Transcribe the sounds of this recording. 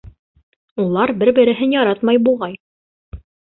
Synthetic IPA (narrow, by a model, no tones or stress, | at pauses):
ulˠɑɾbɘɾbɘ̆ɾɘ̆ɦɘnjɑɾɑt̪mɑjbulˠʁɑj